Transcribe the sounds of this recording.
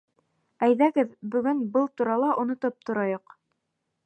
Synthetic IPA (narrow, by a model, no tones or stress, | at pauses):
æjðæɡɘðbɵ̆ɡɵnbɤlˠt̪uɾɑlˠɑʔŏnŏt̪ɤp̚t̪ŏɾɑjoq